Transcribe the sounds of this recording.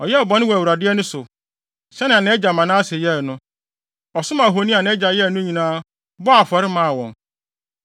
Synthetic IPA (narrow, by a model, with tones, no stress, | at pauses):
ɔ˨jɛ˦ɔ˨bɔ˨n˦ɪ̃˦wɔ˨æ˨wu˨ɾa˨dɪ˦ɛ˦nʊ̃˦sʊ˨ | ɕɛ˦nɪ̃˨a˨nɪ̃˦ɛ˦d͡ʑa˨mã˨nãː˦sɪ˨jɛ˦˨nʊ̃˦ | ɔ˨sʊ˦mã˨ɦo˨nĩ˦a˨nɪ̃˦ɛ˦d͡ʑa˨jɛ˦˨nʊ̃˦ɲĩ˨nãː˦ | bɔ˦a˨fɔ˨ɾɪ˦mã˦˨wɔ̃˨n